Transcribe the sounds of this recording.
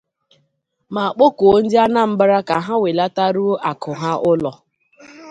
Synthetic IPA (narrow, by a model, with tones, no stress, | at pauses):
ma˨a˨k͡po˦ko˨o˦n̩˦dɪ˦a˦na˦m̩˦ba˦ɾa˦ka˨ɦa˦we˨la˦ta˦ɾu˦a˨kʊ˨ɦa˦ʔʊ˦lɔ˨